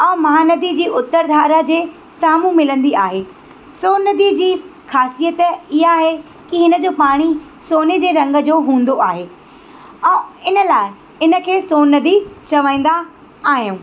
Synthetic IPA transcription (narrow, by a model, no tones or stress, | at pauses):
ɛ̃ːmɐɦaːnɐd̪id͡ʑiːʊt̪ːəɾd̪ʱaːɾəd͡ʑeː | saːmũmɪlə̃nd̪iaːɦeː | soːnɐd̪id͡ʑiː | xaːsijət̪ɪɦaːɦe | kiɦɪnə̆d͡ʑoːpaːɽ̃i | soːnid͡ʑeːɾɐ̃ŋɡə̆d͡ʑoːɦũːn̆d̪oaːɦeː | ɛ̃ːɪnəlaːɪ | ɪnə̆kʰeːsoːnɐd̪it͡ɕɐʋãĩːnd̪aː | ɦijũː